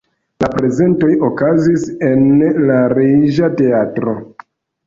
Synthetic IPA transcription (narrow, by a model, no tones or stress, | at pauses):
lapɾe̞ze̞nto̞jo̞kazise̞nlaɾid͡ʒate̞atɾo̞